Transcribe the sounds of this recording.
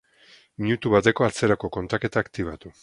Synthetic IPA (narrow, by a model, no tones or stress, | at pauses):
miɲut̪uβat̪e̞ko̞at͡se̞ɾako̞ko̞nt̪ake̞t̪aːkt̪iβ̞at̪u